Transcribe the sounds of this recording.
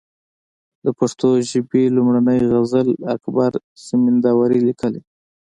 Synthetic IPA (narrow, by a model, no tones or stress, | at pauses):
d̪əpaʂt̪oʒɪbelumɽanəjɣazəlakbaɾ | sɪmɪnd̪ɑwaɾilikʰəli